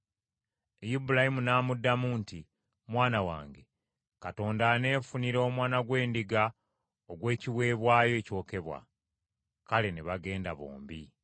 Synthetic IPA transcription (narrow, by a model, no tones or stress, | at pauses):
ejibulahimunaːmudːamuːnti | mwaːnawa̰ːŋɡe̞ | kato̞ːndane̞ːfuniɾo̞ːmwaːnaɡwe̞ːndiɡa | oɡwe̞ːciwe̞ːβwaːjo̞co̞ːke̞βwa̰ | kaleniβaɡe̞ːndaβo̰ːmbi